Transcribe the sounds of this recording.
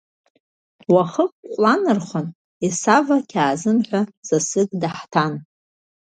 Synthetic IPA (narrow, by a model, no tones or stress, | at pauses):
waχəqʼqʷʼlanɨrχʷan | isavakʲʰaːzɨmħʷᶣaz̥asɨɡʼdaħtʰan